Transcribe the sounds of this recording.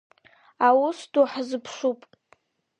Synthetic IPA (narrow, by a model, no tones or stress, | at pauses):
awʊsduħzɨpʰʂupʼ